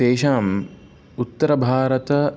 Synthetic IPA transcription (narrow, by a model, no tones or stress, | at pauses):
eːʃaːm | ut̪ːɐɾɐbʱaːɾɐt̪ɐ